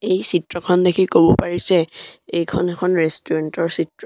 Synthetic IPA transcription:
ejsitɹɔkʰɔndekʰikobɔpaɹisɛejkʰɔnekʰɔnɹestɔɹɛntɔɹsitɹɔ

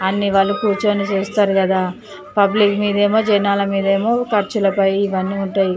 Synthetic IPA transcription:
ɐnːiʋaɭːukuːɾt͡ʃoːnit͡ʃuːst̪aːɾukɐd̪aː | pɐblikmiːd̪ɐe̞ːmo̞ːd͡ʒɐnaːlɐmiːd̪ɐe̞ːmo̞ːkɐɾt͡ʃulɐpɐjiʋɐnːiːuɳʈaːji

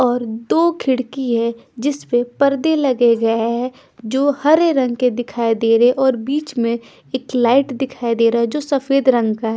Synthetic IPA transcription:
ɔːɾd̪oːkʰɪɽkiɦɛd͡ʒɪspepɐɾd̪elɐɡeɡɐaɦɛ | d͡ʒoːhɐɾeɾɐ̃ŋɡked̪ɪkʰaːed̪eːɾeʔɔːɾbiːt͡ʃmẽ | eːklaːɪʈd̪ɪkʰaːed̪eːɾaɦɛd͡ʒoːsɐfeːd̪ɾɐ̃ŋɡkaɦɛ

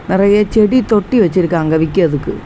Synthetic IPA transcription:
nerɐjet͡ɕeɽit̪o̞ʈːiʋɐt͡ɕːiɾukːaːŋɡɐʋikʲːuɐðukːɨ

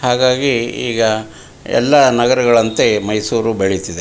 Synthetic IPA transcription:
haːɡaːɡiḭːɡɐ | ɛ̰lːɐnɐɡɐɾɐɡɐɭɐnt̪e̞mɐjsuːɾubeɭit̪id̪e

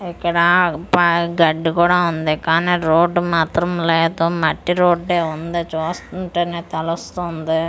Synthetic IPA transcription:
ikːɐɽɐpɐɡɐɖːkuːɽaːund̪ikaːniːɾoːɖːumaːt̪ɾɐmleːd̪umɐʈːiɾoːɖeːund̪it͡ʃuːst̪uɳʈeːneːt̪ɐlust̪und̪i

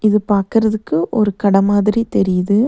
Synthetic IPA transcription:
ɪðɯpaːɾkɯɾɐðɯkːɯʔɔɾɯkɐɽɐmaːðɪɾit̪ɛɾɪjɐðɯ

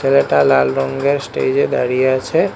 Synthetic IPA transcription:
eleʈalalɾɔŋɡeɾsʈḛd͡ʑed̪a̰ɽijeat͡ʃʰe

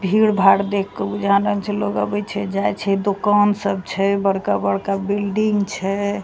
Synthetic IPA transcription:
bʱiɽbʱaɽd̪ekʰːɔbud͡ʒʱanəlt͡ʃʰɛloɡə̰bɛt͡ʃʰɛd͡ʒajt͡ʃʰɛd̪okansəb̚t͡ʃʰɛbəɽkabəɽkabilɖiŋɡt͡ʃʰɛ

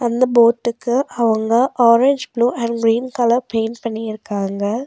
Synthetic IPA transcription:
ɐnd̪ɐboːʈːɯkːɯʔɐʋɐŋɡɐʔɔːɾeɲd͡ʒbluːʔɐɳɡɾiːnkɐlɐɾpeːnpɐɳːijɪɾɯkːaːŋɡɐ

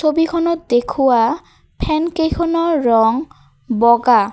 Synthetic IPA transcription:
t͡sʰobikʰɔnɔt̪̚d̪ekʰuwa | pʰɛnkejkʰɔnɔɹɔŋ | bɔɡa

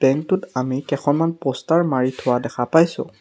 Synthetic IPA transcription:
b̥ɛŋktʊtamikɛkʰɔnmanpɔstaɹmaɹitʰʊwadɛxʰapajsʊ̰̃

